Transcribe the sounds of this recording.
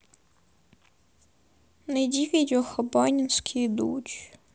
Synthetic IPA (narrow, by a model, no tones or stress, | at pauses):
nedʲikɐtʲɔxɔbɔnʲinsʲkʲʰijd̪ṵt͡ʃ